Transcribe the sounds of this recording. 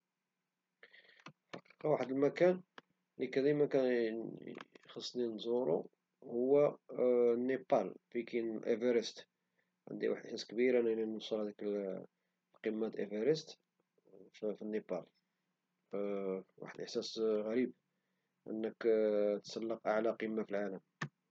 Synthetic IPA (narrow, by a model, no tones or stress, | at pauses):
ħɑ̰qi̥qɑwaħəd̪əlmækæn | likæd̪imækæn | xɑsˤːninzˤuɾṵ | hʊwːæ | nːepɑlfikinlʔevəɾəst̪ | ʕə̰nd̪ḭwa̰ħəd̪əsæskbiɾænælinusˤəlhæd̪ik | lqimːat̪ʔevəɾəst̪ | finːepɑl | wa̰ħəd̪ʔəħsæsɣæɾib | ʔə̰nːəkt̪sˤɑlːəqʔaʕlæqimːafilʕaləm